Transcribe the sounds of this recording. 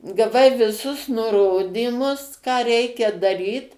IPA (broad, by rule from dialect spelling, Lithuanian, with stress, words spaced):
ɡɐˈʋɐɪ ʋʲɪˈsʊs nʊˈroːdʲiːmʊs kɑː ˈrʲɛɪkʲɛ dɐˈrʲiːt